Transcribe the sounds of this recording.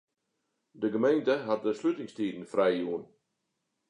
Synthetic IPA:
dəɡəmejntəɦat̚dəslytɪŋstiːdn̩frɛjjuən

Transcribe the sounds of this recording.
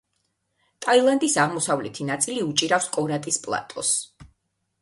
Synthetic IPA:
t̪ʼailˠand̪isaʁmɔsavlɛt̪ʰinat̪sʼiliut͡ʃʼiɾafskʼɔɾat̪ʼispʼlˠa̰t̪ʼɔs

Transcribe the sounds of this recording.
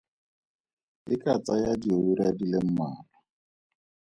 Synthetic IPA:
ikat͡sʼajadioiɾadilem̩maːla

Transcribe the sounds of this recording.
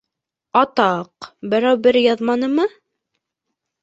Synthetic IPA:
ɑt̪ɑqbɘ̆ɾæwbɘɾjɑðmɑnɤmɤ

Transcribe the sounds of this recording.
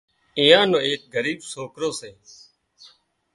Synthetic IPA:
ɪ̃ːãːnõːeːk̚ɡəɾiːbsoːkɾoːseː

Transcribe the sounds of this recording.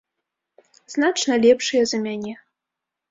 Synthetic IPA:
znat͡ʂnɐlʲɛpʂɨjɐzɐmʲanʲɛ

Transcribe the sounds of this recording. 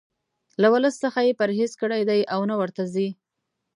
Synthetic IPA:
lawʊləsːəxajepaɾɦezkəɽajd̪ajʔawnawəɾt̪azi

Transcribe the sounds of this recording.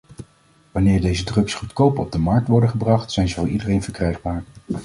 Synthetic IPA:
ʋɑnɪːɹdejzədrɵksχutkowpəɔb̚dəmɑɹk̚tʋɔɹdəχəbrɑχtsɛjnzəvʊːɹidərejnvəɹkrɛjχbaːɹ

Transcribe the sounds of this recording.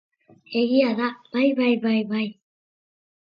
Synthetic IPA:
eɣiaðab̥ajbajbajβaj

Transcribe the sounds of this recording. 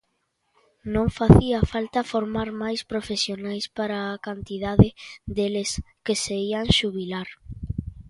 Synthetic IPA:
nõŋfaθiafalt̪afoɾmaɾmajspɾofesjonajspaɾaːkant̪iðaðɪd̪eles | keseiaŋʃuβilaɾ

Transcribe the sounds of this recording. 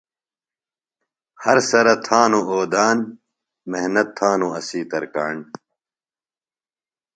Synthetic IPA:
hɐɾsɐɾɐt̪ʰaːnoʔoːd̪aːn | meɦnɐt̪ʰːaːnõɐsiːt̪ɐɾkaːɳ

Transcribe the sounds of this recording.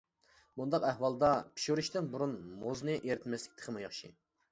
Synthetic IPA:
bund̪ɑqæhwɑlˠd̪ɑpʰi̥ʃuɾyʃt̪ɪnbuɾunmoznɨʔeɾɪt̪mɛslɪkʲt̪ʰə̥qʰəmujɑχʃḭ

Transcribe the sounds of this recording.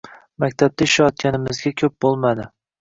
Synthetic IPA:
makʲt̪ʰab̚t̪aɪʃajɒt̪̚kʲanɪmɪzɡʲakʲʰɵp̚bolˠmad̪ɪ

